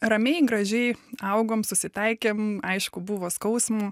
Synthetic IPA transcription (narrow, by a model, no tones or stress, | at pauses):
rɐmʲɛɪɡɾɐʒʲɛɪɐʊɡoːmsʊsʲɪt̪ɐɪkʲeːmɐɪʃkʊbuʋoːskɐʊsmuː